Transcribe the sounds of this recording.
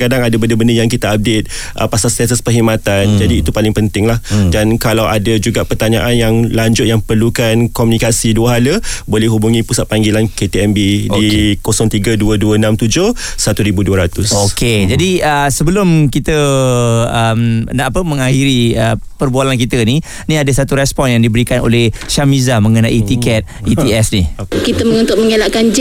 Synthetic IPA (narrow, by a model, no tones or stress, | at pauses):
kadaŋadabəndəbəndəjaŋkit̪aab̚det̪̚ | ʔə̰pasalsas̬əspərɦimãt̪and͡ʒadiːt̪upalɪŋpənt̪ɪŋlahdankalawadad͡ʒuɡapərt̪aɲaʔanjaŋlaɲd͡ʒʊt̪̚jaŋpərlukankomunikasiduəɦaləbolɛhɦubuŋĩpusat̪̚paŋɡilanket̪eɛmbidikosɔŋt̪iɡəduəduəənãmt̪ud͡ʒoh | sat̪uɾibuduəɾat̪ʊsokʰed͡ʒadiəsəbəlʊmkit̪ə | əmənaʔapəmə̃ŋahiɾiə̰pərbualank̬it̪əni | nĩadəsat̪uɾɛspɔnjaŋdibəɾikano̰lɛhʃamizaməŋənaʔit̪ikɛt̪̚iiɛsnikit̪əməŋũnt̪ʊʔ̚məŋelaʔkand͡ʒ